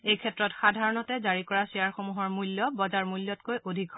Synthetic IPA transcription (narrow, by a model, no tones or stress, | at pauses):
ejkʰɛtɹɔtxadʱaɹɔnɔtɛzaɹikɔɹasiaɹxomuɦɔɹmuljɔbɔzaɹmulːɔtkojʔodʱikʰɔ